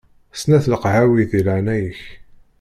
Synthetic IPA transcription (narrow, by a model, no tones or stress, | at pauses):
snæθləqʕawiðilaʕnæjəç